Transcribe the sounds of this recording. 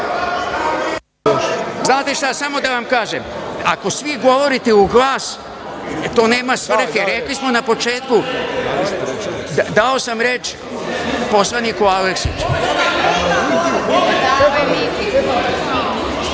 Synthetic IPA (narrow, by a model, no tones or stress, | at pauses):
znaːt̪eʃt̪asamo̞d̪aʋamkaːʒemako̞sʋiɡo̞ʋo̞ɾit̪euɡlˠaːs | t̪oːne̞ːmasʋr̩xeɾeklismo̞napo̞t͡ʃeːt̪ku | d̪ao̞samɾet͡ʃ | poslˠanikualeksit͡ʃ | ʋemi